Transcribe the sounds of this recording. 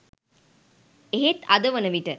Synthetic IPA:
eɦet̪ad̪əʋənəʋiʈə

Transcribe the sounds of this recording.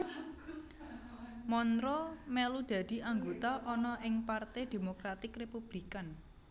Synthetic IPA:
mɔnɾomɛlud̪̥ä̤d̪̥i̤aŋɡot̪aʔɔnɔʔɪŋpart̪ɛd̪̥e̤mokɾat̪ɪkrepub̥likan

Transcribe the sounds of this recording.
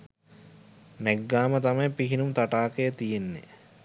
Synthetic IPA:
nɛɡːaːmət̪amɐjpiɦinumt̪aʈaːkəjət̪ijenːḛ

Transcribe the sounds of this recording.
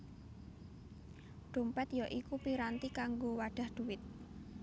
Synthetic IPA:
ɖ̪̥o̤mpɛt̪jɔʔikupiɾant̪ikaŋɡowaɖ̥a̤hd̪̥uwɪt̪̚

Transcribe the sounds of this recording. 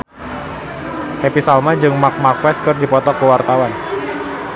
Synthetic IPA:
hepisalmad͡ʒɨŋmak̚markwɛskɨrdipɔt̪ɔkəwart̪awan

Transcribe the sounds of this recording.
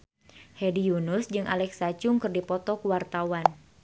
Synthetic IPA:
hɛdijunʊsd͡ʒɨŋʔa̰lɛksat͡ʃʊŋkɨrdipɔt̪ɔkuwart̪awan

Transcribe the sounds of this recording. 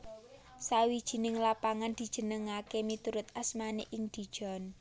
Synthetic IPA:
sawid̥ʒ̥i̤nɪŋlapaŋand̪̥i̤d̥ʒ̥ə̤nəŋakemit̪uɾʊt̪asmaneʔɪŋd̪̥i̤d̥ʒ̥ɔ̤n

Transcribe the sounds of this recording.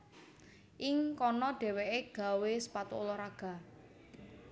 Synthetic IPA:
ʔɪŋkɔnɔɖ̥ɛ̤weʔeɡ̥a̤wesə̥pat̪oolɔɾaɡ̥a̤

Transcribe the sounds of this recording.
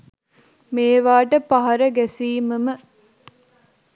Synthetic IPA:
meːʋaːʈəpaɦɐɾəɡæsiːməmə

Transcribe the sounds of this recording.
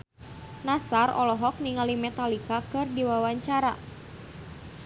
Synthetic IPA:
nasarɔ̰lɔɦɔk̚niŋalimɛt̪alikakɨrdiwawaɲt͡ʃaɾa

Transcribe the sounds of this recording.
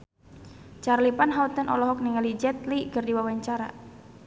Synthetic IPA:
t͡ʃarlipanɦaut̪ənʔɔ̰lɔɦɔk̚niŋalid͡ʒɛt̪likərdiwawaɲt͡ʃaɾa̰

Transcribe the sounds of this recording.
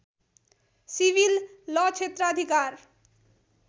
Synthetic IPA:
sibilːʌt͡ʃʰet̪ɾəəd̪ʱikaɾ

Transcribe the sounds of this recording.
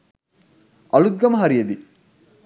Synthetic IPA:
ɐlud̪̚ɡɐmɐɦɐɾijɐd̪i

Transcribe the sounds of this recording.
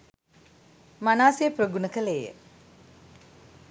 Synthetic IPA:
manaːsejəprəɡunəkəleːjə̰

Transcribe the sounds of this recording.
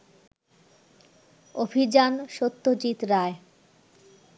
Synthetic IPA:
obʱid͡ʑanʃot̪ːod͡ʑit̪ɾae

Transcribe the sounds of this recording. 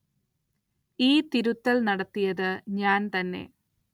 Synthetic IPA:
iːt̪iɾut̪ːɐlnɐɽɐt̪ːijɐðɨɲaːnt̪ɐnːe̞̰

